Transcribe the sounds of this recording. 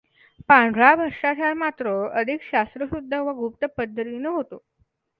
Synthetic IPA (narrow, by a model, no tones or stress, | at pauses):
pãɳɖʱɾabʱəɾʂat͡ɕʰaɾmat̪ɾəəd̪ʱikɕast̪ɾəsud̪ʱːəʋəɡʱup̚t̪əpəd̪ʱːət̪iːnəɦot̪o